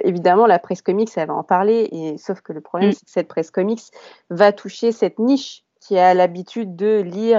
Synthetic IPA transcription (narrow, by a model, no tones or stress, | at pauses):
evid̪amɑ̃lapχɛskɔmiksɛlvaɑ̰̃paʁleesofkələpχɔblɛmsɛ̥kə̥sɛt̪̚pχɛskɔmiks | vat̪ʰuʃesɛt̪niʃ | kʲʰialabit̪ʰyd̪ːəli